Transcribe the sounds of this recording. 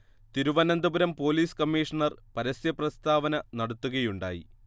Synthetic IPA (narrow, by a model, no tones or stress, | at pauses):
t̪iɾuʋɐnɐnd̪ɐbuɾɐmpo̞ːliːskɐmːiːʂɐɳɐrpɐɾɐsjɐprɐst̪ʰaːʋɐnɐnɐɽut̪ːuɣɐjuɳɖa̰ːjḭ